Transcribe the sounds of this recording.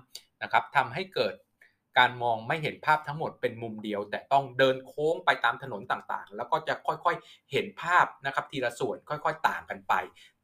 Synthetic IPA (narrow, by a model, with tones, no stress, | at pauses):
na˦˥kʰa˦˥p̚t̪ʰa˧mɦa˥˩jkɤː˨˩t̪̚ | kaː˧nmɔː˧ŋma˥˩jɦe˩˦npʰaː˥˩p̚t̪ʰa˦˥ŋmo˨˩t̪̚pe˧nmu˧mdi˧əwt̪ɛː˨˩t̪ɔ˥˩ŋdɤː˧nkʰoː˦˥ŋpa˧jt̪aː˧mt̪ʰa˧no˩˦nt̪aː˨˩ŋt̪a̰ː˨˩ŋlɛː˦˥wkɔː˥˩t͡ɕa˨˩kʰɔ˥˩jkʰɔ˥˩jhe˩˦npʰaː˥˩p̚na˦˥kʰa˦˥p̚t̪ʰiː˧la˧su˨˩ənkʰɔ˥˩jkʰɔ˥˩jt̪aː˨˩ŋka˧npa˧j